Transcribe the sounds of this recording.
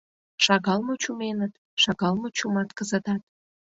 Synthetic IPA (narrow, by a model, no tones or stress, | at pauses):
ʃɑɣɑlˠmot͡ɕumenət̪ | ʃɑɣɑlˠmot͡ɕumɑt̪kəzət̪ɑt̪